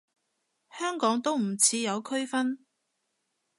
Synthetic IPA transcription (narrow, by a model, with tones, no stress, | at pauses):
hœː˥ŋkɔː˨˥ŋt̪o˥wm̩˨˩t͡sʰiː˨˧jɐ˨˧wkʰɵ˥ɥfɐ˥n